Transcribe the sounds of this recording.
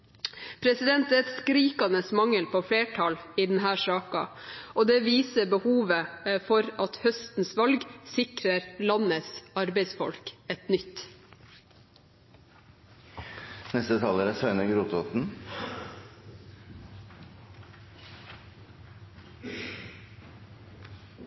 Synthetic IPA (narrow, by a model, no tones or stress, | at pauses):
pʰɾɛsɪd̪ɛnt̪ɛt̪skɾiːkɑnəsmɑŋəlpʰoːfleːʈʰɑliːd̪nɦæːʂɑːkɑ̰ʔoːd̪eːʋiːsəbəhuːʋəfɔɾɑt̪hœst̪n̩sʋɑlɡsɪkɾəɾlɑnəsɑɾbɛɪsfɔ̰lkɛt̪nʏt̪ | nɛst̪ət̪ʰɑːləɾæsœʏnəɡɾuːt̪ot̪n̩